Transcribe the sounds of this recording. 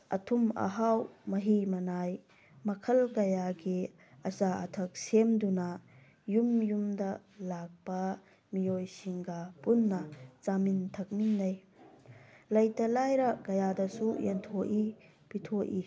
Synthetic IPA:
ʔɐ̰tʰumɐ̰ɦawmɐɦimɐnaj | mɐkʰɐlkɐjaɡi | ɐsaʔɐtʰɐk̚semduna | jumjumdɐ | lak̚pɐ | mijojsiŋɡapunːɐt͡ʃamintʰɐk̚minːɐj | lɐjtɐlajɾɐkɐjadɐsujentʰoʔi | pitʰoʔi

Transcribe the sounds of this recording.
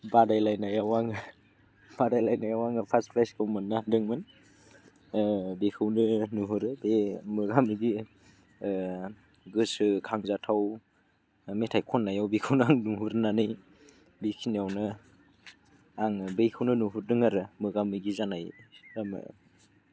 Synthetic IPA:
badajlajnajawaŋ | b̥adajlajnajawaŋɯpʰaspʰlaskʰɯwmɯnːadɯŋmɯn | bekʰɯwnɯnuɦuɾɯbemɯɡamiɡi | ɡɯsɯkʰaŋzatʰaw | metʰajkʰɔnːajawbikʰɯwnɯaŋnuɦuɾnanɯj | bikʰiniawnɯ | aŋbejkʰɯwnɯnuɦuɾdɯŋaɾɯmɯɡamiɡizanajamɯ̰

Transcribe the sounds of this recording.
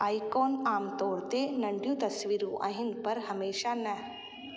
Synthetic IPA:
aːikoːnaːmt̪oːɽt̪enɐɳɖjut̪ɐsʋiɾũʔa̰ɦinpɐɾɦəmeːʃanə

